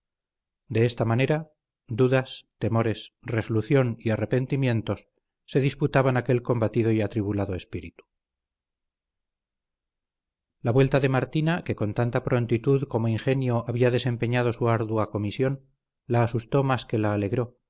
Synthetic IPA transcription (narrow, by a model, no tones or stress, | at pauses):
d̪e̞est̪amane̞ɾa | d̪uðast̪e̞mo̞ɾe̞sreso̞luθjo̞niare̞pe̞nt̪imje̞nt̪o̞sː | e̞ðisput̪aβanake̞lko̞mbat̪iðo̞iat̪ɾiβulaðo̞e̞spiɾḭt̪u̥ | laβwe̞lt̪aðe̞maɾt̪inake̞ko̞nt̪ant̪apɾo̞nt̪it̪uðko̞moiŋxe̞njoaβiaðe̞se̞mpe̞ɲað̞o̞suaɾðuako̞misjo̞n | laːsust̪o̞maske̞laːle̞ɣɾo̞